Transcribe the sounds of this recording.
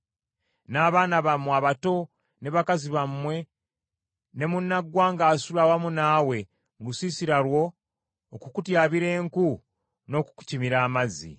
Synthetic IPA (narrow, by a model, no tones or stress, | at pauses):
naːβaːnaβamːwaβato̞ | ne̞βakaziβamːwe̞ | ne̞munːaɡwaːŋɡaːsulawamunaːwe̞ | ŋɡusisiɾalwo̞ː | kukutjaːβiɾe̞ːŋku | no̞ːku̥ku̥cimiɾaːmazḭ